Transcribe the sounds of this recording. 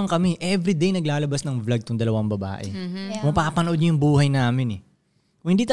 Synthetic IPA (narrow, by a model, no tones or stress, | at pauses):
ɐŋkɐmɛʔɛvɾid̪ejnɐɡlaːlɐbasnɐŋvlɐɡ̚t̪ʊŋd̪ɐlɐwɐŋbɐba̰ːʔɛ̰mɐpaːpɐnɐʔod̪ɲɐjʊŋbuːhɐjnaːmɪnɛ | kʊhɪnd̪iːt̪ɐ